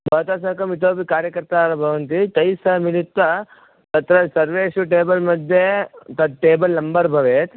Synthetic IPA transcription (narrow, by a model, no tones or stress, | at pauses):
bʱɐːt̪aːsɐːkɐmit̪oːpikaːɾjɐkɐɾt̪aːɾɐbʱɐʋɐnt̪̬it̪ɐjsɐmilit̪ʋɐ | t̪ɐt̪ɾɐsɐɾʋeːʂuʈeːbɐlmɐd̪ʱjet̪ɐd̪̚ʈeːbɐlːɐmbɐɾbʱɐʋeːt̪